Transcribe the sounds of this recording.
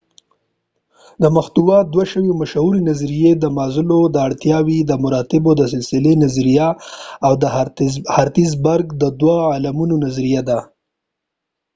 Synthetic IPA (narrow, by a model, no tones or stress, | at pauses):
d̪əmaxt̪uwɑd̪waʃəwemaʃhuɾinazɾijed̪əmɑzɪlod̪əaɽt̪jɑwid̪əmʊɾɑt̪ɪbod̪əs̬ɪlsɪlenazɾijaawd̪əhaɾt̪izbaɾɡd̪əd̪waalamunonazɾijad̪a